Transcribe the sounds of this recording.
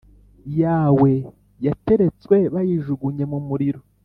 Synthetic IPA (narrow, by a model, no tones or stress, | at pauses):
jaːwe̞ | jate̞ɾe̞t͡skwe̞βajiʒuɡuɲe̞mumuɾiɾo